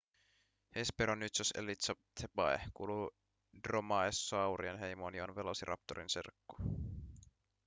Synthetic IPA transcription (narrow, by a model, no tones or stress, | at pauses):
hespeɾonːyt̪sosḛlit̪sɑt̪ʰepɑḛkṵːlu | dromɑesːoɑwɾienɦe̞jmoːnionʋe̞losiɾʔɑ̰p̚t̪oɾinsḛrkːu̥